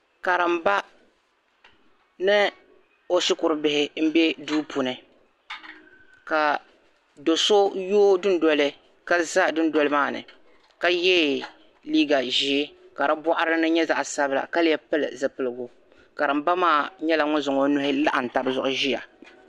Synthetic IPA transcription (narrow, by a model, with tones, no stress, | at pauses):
ka˨ɾɨ˨m̩˨ba˦ | nɨ˦ | o˦sɪ˦kʊ˨ɾɨ˨bɪ˨hɪ˦m̩˦bɛ˦duː˦pʰu˨nɨ˨ | ka˨ | do˨so˦joː˦dʊ˦n˦dɔ˦lɨ˦ | ka˦za˦dʊ˦n˦dɔ˦lɨ˦maː˦˨nɨ̰˨ | ka˦jɛ˦ | liː˦ɡa˨ʒi˨˦ka˨ɾa˦bɔ˦ʔʊ˦ɾɨ˦nɨ˦ɲɛ˦za˨ʔsa˦bɨ˦la̰˨ka˦lɪ˦jɛ˦pɨ˦lɨ̰˨zɨ˨pɨ˨lɨ˨ɡʊ˦ | ka˨ɾɨ˨m̩˦ba˦maː˦˨ɲɛ˦la˨ŋʊ˦zʊ˨ŋo˦nʊ˦hɪ˦la˦ʔa˨n̩˨ta˨bɨ˦zʊ˨ʔʊ˦ʒi˦ja̰˨